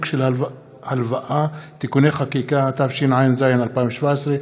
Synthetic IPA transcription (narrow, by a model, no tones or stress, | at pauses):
kʃela | halvaʔat̪ikuneχakikat̪afʃinʕajenzajenalpaĩveʃvaesʁe